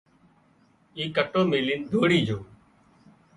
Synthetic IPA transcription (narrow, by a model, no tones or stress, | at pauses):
iːkəʈːõːmeːliːnd̪ʱoːɽiːd͡ʒoː